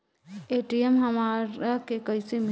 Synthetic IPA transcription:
eʈiemɦəmaɾakekəɪsem

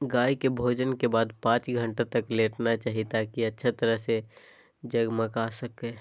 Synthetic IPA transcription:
ɡaːikebʱoːd͡ʒənkebaːd̪pãːt͡ʃɡʱə̃ɳʈet̪əkleːʈnat͡ʃaːɦit̪akiətːʃʰet̪əɾəɦse | d͡ʒəɡməkasəke

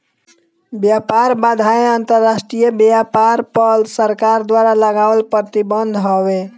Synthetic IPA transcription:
bjapaɾbad̪ʱaeənt̪əɾːasʈɾijəbjapaɾpəlsəɾkaɾd̪waɾaləɡaʋəlpɾət̪ibənd̪ʱɦɔβe

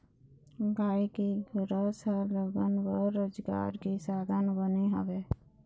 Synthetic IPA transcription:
ɡaːikiɡɾəsələɡənbəɾːoːd͡ʒɡa̰ːɾkisaːd̪ʱənbəniɦə̰ʋe

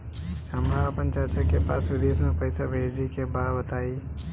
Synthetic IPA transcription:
ɦəmaɾapənt͡ʃat͡ʃəkepa̰ːsʋɪd̪esnəpəjsabʱed͡ʒikebaɽbət̪ai

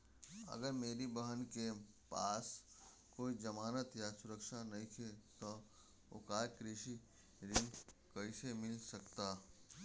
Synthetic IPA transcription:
ɐ̰ɡəɾmeːɾibəɦənke | paːs | koːid͡ʒəmaːnət̪jasʊɾəkʃanɐɦĩk̪ʰet̪ɔ | o̰kaːjkɾɪʃi | ɾɪ̃ŋkɐɪsemɪlsəkt̪aː

